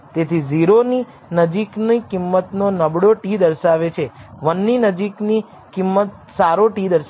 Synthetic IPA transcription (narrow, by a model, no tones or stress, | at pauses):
t̪et̪ʰiziɾoni | nəd͡ʒiknikɪmːət̪nonəbɽoʈid̪əɾʃaʋet͡ʃʰeʋənːinəd͡ʒikni | kimːət̪̚ | saɾoʈid̪əɾʃ